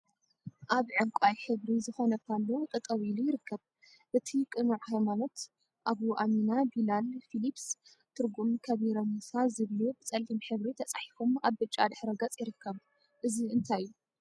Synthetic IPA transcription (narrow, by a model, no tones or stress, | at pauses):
ʔaβʕɨŋkʷʼajħɨβɾizɨxo̞nɐkʰalːot̪ʼɨt̪ʼɐwilujɪɾɨkʰːɐβ | ʔɨt̪ʰikʼɨnuʕhajmano̞t̪ | ʔaβuʔaminabilalfilips | t̪ʰɨɾɡumkʰɐβiɾɐmusazɨβlubɨt͡sʼɐlimħɨβɾit̪ʰɐt͡sʼaħi̥fumaβːɨt͡ʃʼːa̰d̪ɨħɾɐɡɐt͡sʼjɪɾɨkʰːɐβ | ʔɨziɨnt̪ʰajjːu